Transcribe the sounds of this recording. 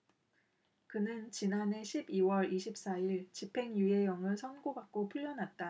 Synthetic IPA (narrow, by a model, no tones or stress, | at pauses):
kɯnɯnt͡ɕinane̞ɕʰibiwʌɾiɕʰip̚s͈aiɭt͡ɕipʰe̞ŋjue̞jʌŋɯɭsʰʌnɡoɡak̚k͈opʰuʎːʌnat̚t͈a